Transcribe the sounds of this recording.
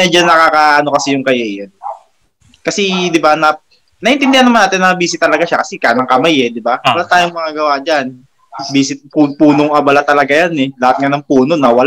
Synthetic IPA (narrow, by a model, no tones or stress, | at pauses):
ɐd͡ʒɐnːɐkaːkaʔɐnokɐsɛjʊŋkɐjejon | kɐsɛd̪ɪbanɐ | nɐʔɪnt̪ɪnd̪ɪhanːɐmanaːt̪ɪnːɐbiːsɪt̪ːɐlɐɡaʃakɐsɛkanɐŋkɐmajɛd̪ɪbawɐlaːt̪aːjoŋmɐŋaːɡɐwad͡ʒan | biːsɪt̪̚pupuːnoŋʔɐbɐlat̪ɐlɐɡajanɛlɐhat̪̚ŋanɐŋpuːno̞nɐwɐl